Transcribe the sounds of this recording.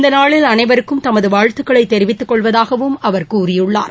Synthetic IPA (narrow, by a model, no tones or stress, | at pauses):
ɪnd̪ɐnaːɭɪlɐnɐɪʋɐɾɯkːɯmt̪ɐmɐðɯʋaːɻt̪ɯkːɐɭɐɪt̪ːɛɾɪʋɪt̪ːɯkːɔɭʋɐðaːɣɐʋɯmɐʋɐɾkuːrɪjɯɭːa̰ːɾ